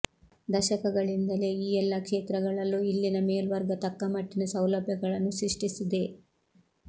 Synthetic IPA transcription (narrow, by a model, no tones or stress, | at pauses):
d̪ɐʃɐkɐɡɐɭind̪ɐle̞iːɛlːɐkʂeːt̪ɾɐɡɐɭɐlːuilːinɐmeːlʋɐɾɡɐt̪ɐkːɐmɐʈːinɐsɐwlɐbʱjɐɡɐɭɐnːusɾiʂʈisid̪e̞